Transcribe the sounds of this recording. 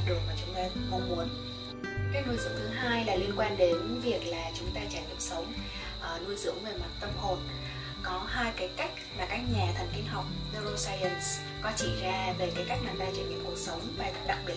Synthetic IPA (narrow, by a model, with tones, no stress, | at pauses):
ɗɨ˨˩ək̚maː˨˩t͡ɕʊ˨˦ŋ͡mt̪aː˧ko˧˩mu˨˦ən | kaː˦˥k̚nu˧jzɨ̰˧˥əŋt̪ʰɨ˨˦ɦaː˧jlaː˨˩li˧ənkwaː˧nɗe˨˦nvi˨˩ək̚laː˨˩t͡ɕʊ˨˦ŋ͡mt̪aː˧t͡ɕaː˧˩ɲə̰˨˧˩əsə˨˦wŋ͡m | ʔəː˨˩nu˧əjzɨ̰˧˥əŋve˨˩ma˨˩t̚t̪ə˧mp̚ho˨˩n | kɔ˨˦haː˧jkaː˨˦jka˦˥jk̚maː˨˩kaː˦˥k̚ɲaː˨˩t̪ʰə˨˩nki˧nɦa˨˩wk͡p̚nə˧zo˧saː˧jə˧ns | kɔ˨˦t͡ɕi˧˩zaː˧ve˨˩kaː˨˦jka˦˥jk̚naː˨˩ɗaː˧˩t͡ɕa̰˧˩ɲ̰˨˧˨mku˨˩ək̚sə˨˦wŋ͡mvaː˨˩t̪ə˧˥p̚ɗa̰˧˨ŋ̚ɓi˨˧˩